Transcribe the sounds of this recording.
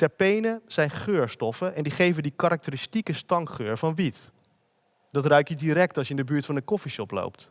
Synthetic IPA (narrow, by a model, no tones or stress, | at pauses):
tɛɹpejnəz̥ɛjnχøːɹstɔfəɛndiχejvəndikaɾak̚təɾistikəstɑŋχøːɹvɑnʋit | dɑtrœɥkjədiɾɛk̚tɑlˠsjəɪndəbyːɹtfɑnəkɔfisɔplo̰wpt